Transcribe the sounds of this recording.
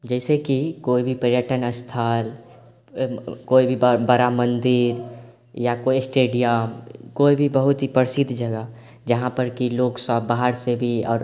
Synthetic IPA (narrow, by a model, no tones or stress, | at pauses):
d͡ʒɛːsekikoːibʱipɾjəʈənəst̪ʰaːl | koːibʱibbəɾamə̃nd̪iɾ | jakoisʈeːɖijəmkoːibʱibəɦʊt̪ipəɾsɪd̪ʱd͡ʒəɡə | d͡ʒəɦãpəɾkiloːksəbbːaɦəɾsebʱiɔ̰ːɾ